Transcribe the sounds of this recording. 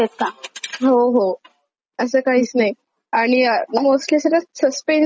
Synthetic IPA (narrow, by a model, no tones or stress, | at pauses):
et̪aɦoɦo | əsəːkaɦiːt͡snaj | aɽ̃inəmoslesəɾasəspen